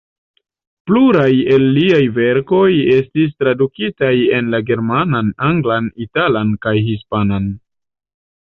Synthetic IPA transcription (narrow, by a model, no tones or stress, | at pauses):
pluɾaje̞lːiajve̞ɾko̞je̞stis̬tɾadukitaje̞nlaɡe̞ɾmananaŋɡlanitalankajɦispanan